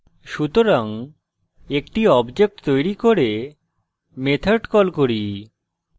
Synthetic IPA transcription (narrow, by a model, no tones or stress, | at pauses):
ʃut̪oɾaŋ | ekʈiɔbd͡ʑek̚ʈt̪ojɾikoɾe | met̪ʰaɾʈkɔlkoɾi